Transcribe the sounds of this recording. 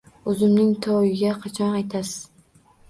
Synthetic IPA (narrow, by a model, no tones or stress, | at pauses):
ɵzɪmnɪŋt̪ʰɒwɪɡʲaqʰɑt͡ʃʰɒnajt̪ʰasɪz̥